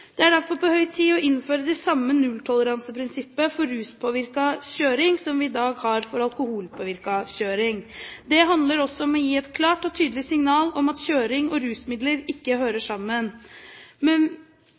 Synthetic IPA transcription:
d̪̥ɛæɖæɾfɔɾpʰɔhœʏt̪ʰiːɔʔɪnføːɾəd̪ɛsɑmːənʉlt̪ʰɔləɾɑnsəpʰɾɪnsɪpːəfɔɾːʉːspʰoːʋɪɾkɑɕøːɾɪŋsɔmʋɪːd̪ɑːɡhɑɾfɔɾɑlˠkʊhuːlpʰoːʋɪɾkɑɕøːɾɪŋd̪ɛɦɑnd̪ləɾɔsːɔɔmɔjiːɛt̪kʰlɑːʈɔt̪ʰyːd̪əlɪsɪŋnɑːlɔmɑt̪ɕøːɾɪŋɔɾʉːsmɪd̪ləɾɪkːəɦøːɾəʂɑmːən | mɛn

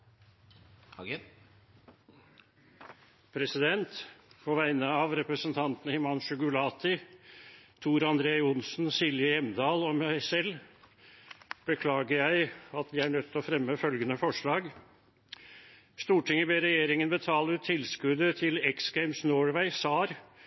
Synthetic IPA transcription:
pʰɾɛsɪd̪ɛnt̪pʰɔʋæɪnəɑʋɾɛpɾəsənt̪ʰɑnt̪nəhɪmɑnʂəɡʉlɑːt̪ʰɪ | t̪ʰuːɾɑnd̪ɾeːʊnsn̩sɪljəjɛmnd̪ɑːlɔmæɪsɛl | b̥əkʰlɑːɡəɾjæɪɑt̪d̪ɪæɳœt̪ːɔfɾɛmːəfœlɡənəfɔʂɭɑːɡ | st̪uːʈʰɪŋːəbeːɾɛjeːɾɪŋənbət̪ʰɑːlət̪ʰɪlskʉd̪ət̪ʰɪlɛksɡæɪmsnoːɹʋæɪsɑːɾ

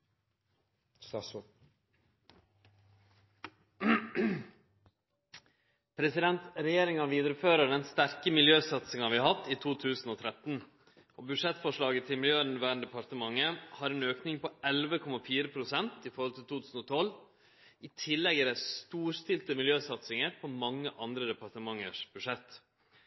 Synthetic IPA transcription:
pʰɾɛsɪd̪ɛnt̪ɾɛjeːɾɪŋɑʋiːd̪əɾəføːɾəɖ̪ɛnst̪æɾkəmɪljøːsɑt̪sɪŋɑʋɪɑɦɑft̪iːt̪ʰuːt̪ʰʉːsn̩oːt̪ʰɾɛt̪n | ʔoːbʉʂɛt̪fɔʂɭɑːɡət̪ʰɪlmɪljøːnʋæːnd̪ɛpɑɾt̪əmɑŋːəhɑɾɛnøːknɪŋpɔɛlʋəkʰɔmɑfiːɾəpʰɾʊsɛnt̪ɪfɔɾhɔlt̪ʰɪlt̪ʰuːt̪ʰʉːsn̩ɔt̪ʰɔl | it̪ʰɪlːɛɡəɾæst̪uːɾst̪ɪlt̪əmɪljøːsɑt̪sɪŋəɾpʰomɑŋːəʔɑnd̪ɾəd̪ɛpɑɾt̪əmɑŋːə̰ʂb̥ʉʂɛt̪ː

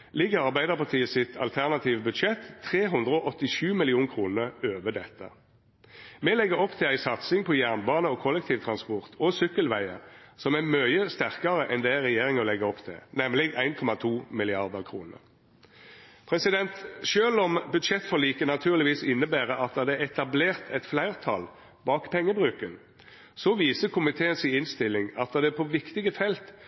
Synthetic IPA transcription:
lɪɡəʁɑʁbæɪd̪əʁpɑʁt̪ʰiːəsɪt̪ʰɑ̰lt̪ʰæʁnɑt̪ʰiːʋəbʉd̪ʃɛt̪ʰːʁeːɦʉnd̪ʁəɔʔɔt̪ːɪʃʉːmɪlɪuːnkʰʁuːnəʁøːʋəd̪ɛt̪ːə̰ | mɛlɛɡːəɾɔpt̪ʰɪlæɪsɑt̪sɪŋpʰɔjæʁnbɑːnəɔkʰɔlːɛk̚t̪ʰiːʋt̪ʰʁɑnspɔʁt̪ʰɔsʏkːəlʋæɪə̰sɔmæmœʏəst̪æʁkɑʁəʔɛnd̪eʁɛjeːʁɪŋɔlɛɡəɔpt̪ʰɪ̰nɛmlɪæɪnkʰɔmɑt̪ʰuːmɪlɪɑʁd̪əʁkʰʁuːnə̰ʁ | pʰʁɛsɪd̪ɛnt̪ʃøːlɔmbʉd̪ʃɛt̪ːfɔʁliːkənɑt̪ʰʉːʁlɪʋiːsɪnːəbæːʁəʔɑt̪ːɑd̪ɛɛt̪ɑbleːʁt̪ʰɛt̪flæɪʁt̪ʰɑ̰l | bɑːkpʰɛŋːəbʁʉːkən | sɔʋiːsəkʰʊmɪt̪ʰeːənsɪɪnst̪ɪlːɪŋɑt̪̚ːɑd̪ɛpʰɔʋɪkt̪ɪɡəfɛlt̪

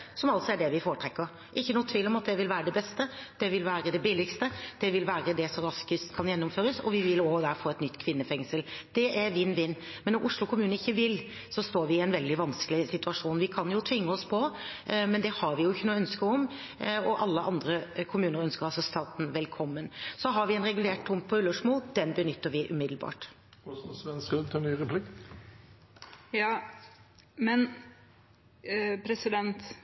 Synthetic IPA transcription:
sɔmɑlt̪sɔæɖɛʋɪfoːɾəʈʰɾɛkːəɾ | ʔɪçːənuːt̪ʰʋiːlːɔmɑt̪̚d̪ɛʋɪlʋæːɾəd̪ɛbɛst̪əd̪̥ɛʋɪlʋæːɾəd̪ɛbɪːlɪkst̪əd̪̥ɛʋɪlʋæːɾəd̪ɛsɔɾɑskɪst̪kʰɑnjɛnːʊmføːɾəsɔ̰ʋɪʋɪloːd̪æɾfɔɛt̪nʏt̪ːkʰʋɪnːəfɛŋsəld̪̥ɛʔæɾʋɪːnːʋɪnː | mɛnːɔɾʔʊʂlʊkʰʊmʉːnəɪçːəʋɪl | sɔst̪oːɾʋɪɛnʋɛld̪ɪʋɑnskəlɪsɪt̪ʉɑʂuːnʋɪkʰɑnjʊt̪ʰʋɪŋːəɔspʰɔmɛnd̪ɛhɑɾʋɪjʊɪçːənuːœnskəɔm | ɔʔɑlːəʔɑnd̪ɾəkʰʊmʉːnəɾœnskəɾɑsɔst̪ʰɑːt̪n̩ʋɛlkʰɔmːənsɔɦɑɾʋɪɛɪnɾɛɡʉleːʈd̪ʊmpʰɔʉləʂmoːld̪ɛnbənʏt̪ʰːəɾʋɪʔʉmɪd̪l̩bɑ̰ːʈ | ɔsɔmsʋɛnskɾʉd̪t̪ʰɪnyːɾɛpʰlɪkː | jɑː | mɛn | pʰɾɛsɪd̪ɛnt̪

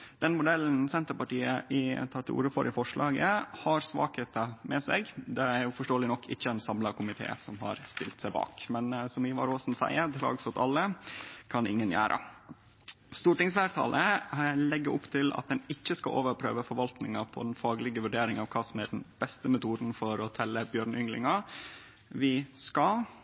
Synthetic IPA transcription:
d̪̥ɛnmʊd̪ɛln̩sɛnt̪əɾpɑʈiːəʔɪt̪ʰɑːʈ̪ɪlṵːɾəfɔɾʔɪfɔʂɭʔɑːɡəhɑɾsʋɑ̰ːkheːt̪ɑmɛsɛɡd̪ɛæɾjʊfɔʂʈoːlɪnɔkʰːɪçːəɛnsɑmlɑkʰʊmɪt̪ʰḛːsɔmɦɑ̰ɾst̪ɪ̰lt̪sæɪbɑ̰ːkmɛnsɔmɪʋɑ̰ɾoːsn̩sæ̰ɪəɾt̪ʰlɑ̰ːɡsɔt̪ʰɑlːəkʰɑnɪŋːənjæ̰ːɾʔə̰ | st̪uːʈɪŋsflæːɾt̪ʰɑ̰ːlʔəlɛɡːəʔʊpt̪ʰɪlɑ̰t̪̚d̪ɛnɪçːəskɑ̰ʔoːʋəɾpʰɾø̰ːʋəfɔɾʋɑlt̪nɪŋɑpʰɔ̰d̪ɛnfɑːɡlɪɡəʋʉɖeːɾɪŋɑʋkʰɑːsɔmæɖnb̥ɛst̪əmʊt̪ʰuːd̪n̩fɔɾɔt̪ʰɛlːəbjøːɾnʏŋlɪ̰ŋɑ | ʋɪskɑ

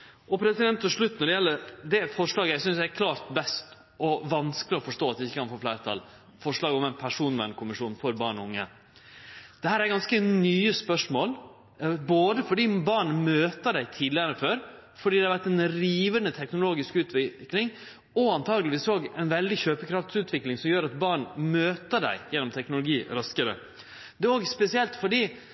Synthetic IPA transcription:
ʔɔpʰɾɛsɪd̪ɛnt̪ːɔʂɭʉt̪ːnɔɖɛjɛlːəɾd̪ɛfɔʂɭɑːɡəɛsʏnsd̪ɛæɾkʰlɑːɾt̪bɛst̪ | ɔʋɑnskəlɪɔfɔʂʈoːt̪d̪ɛɪçːəkɑnfoːflæɪɾət̪ʰɑ̰l | fɔʂɭɑːɡəɔmɛɪnpʰæʂuːnʋɛ̰nkʰʊmɪʂuːnfɔɾbɑːɳɔʊŋːə̰ | d̪̥ɛhæːɾæɾɡɑnskənyːəspœʂmoːl | boːd̪əfɔɖiːbɑɳmøːt̪əɖæɪt̪ʰiːd̪lɪəɾəføːɾ | fɔɖiːd̪ɛhɑɾʋæʈːɛnɾiːʋənət̪ʰɛknʊloːɡɪskʉːt̪ʰʋɪklɪŋ | ɔɑnt̪ʰɑːɡlɪʋiːsoːɡɛɪnʋɛld̪ɪçøːpəkʰɾɑft̪sʉːt̪ʰʋɪklɪŋsɔmjøːɾɑt̪̚bɑɳmøːt̪əɖæ̰ɪjɛnʊmt̪ʰɛknʊlʊɡiːɾɑskəɾə̰ | d̪ɛoːɡspɛsɪɛlt̪fɔɖiː

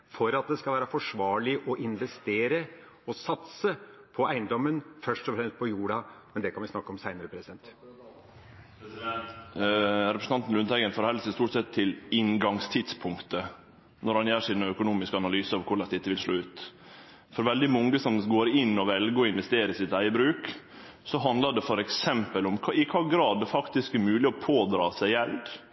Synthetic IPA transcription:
fɔɾɑt̪̚d̪ɛskɑlʋæːɾəfɔʂʋɑːɭɪʔɔʔɪnʋɛst̪eːɾə | ɔsɑt̪səpʰɔʔæɪnd̪ɔmːənfœʂʈɔfɾɛmst̪̚pʰɔjuːɖɑmɛnd̪ɛkɑnʋɪsnɑkːəɔmsæɪnəɾəpʰɾɛsɪd̪ɛnt̪ | sɛ | ɾɛpɾsən̩ɑnt̪n̩lʉnʰæɪɡənfoːɾhɛlsəst̪uːʈsɛt̪ʰːɪlɪŋɡɑŋst̪ʰɪd̪spʰʊŋkt̪ə | nɔɾhɑnjæːʂɪnəœkʊnuːmɪskəɑnɑlyːsəɑʋkʰʊɭɑst̪ɪt̪ːəʋɪlʂɭoːʉːt̪ | fɔɾʋɛld̪ɪmɔŋːəsɔmɡoːɾɪnːɔʋɛlɡəɔɪnʋɛst̪eːɾəɪsɪt̪æɪəbɾʉːk | sɔɦɑnd̪ləɖɛfɔɾɛksɛmpəlɔmkʰːɪkʰɑːɡɾɑːd̪fɑkt̪ɪskɛmʉːlɪɔpʰoːd̪ɾɑːsæɪjɛld̪

